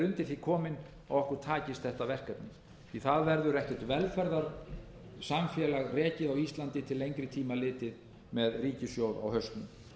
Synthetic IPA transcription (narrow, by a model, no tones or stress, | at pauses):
ɾʏnt̪ɪθikʰɔːmɪn | ɔ̰ɣɔhkʏɾ̥t̪ʰaːcɪst̪θɛht̪avɛr̥kapnɪ | iθaðvɛɾðʏɾɛhcɛ̥ɾ̥t̪vɛlfɛɾðaɾ̥ | samfjɛːlaɣrɛːcɪðawist̪lant̪ɪt̪ʰɪlːejŋkɾɪt̪ʰiːmalɪːt̪ɪð | mɛðriːcɪsjowða̰whœst̪nʏm